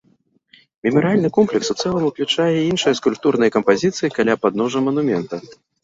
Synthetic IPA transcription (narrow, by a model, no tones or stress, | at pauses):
mʲimɐɾɨalʲnɨkɔmplʲɛksut̪sɛlˠɐmuklʲut͡ʂajɛinʂɐjɐskulʲp̚t̪uɾnɐjɐkɐmpazʲit̪sɨjikalʲapad̪nɔʐɐmɐnumʲɛnt̪ɐ